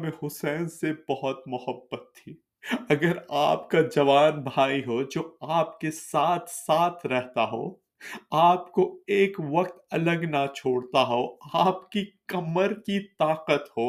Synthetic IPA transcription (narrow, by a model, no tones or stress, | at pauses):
mẽhʊsɛːnsebɐɦʊt̪mʊɦəbːət̪ʰːiː | ɐɡəɾaːpkad͡ʒɐʋaːnbʱaːiɦod͡ʒoːaːpkesaːt̪ʰsaːt̪ʰɾɛɦt̪aɦo̰ː | aːpkoeːkʋɐqt̪ɐləɡnat͡ʃʰoːɽt̪aɦoaːpkikɐməɾkit̪aːqət̪ɦoː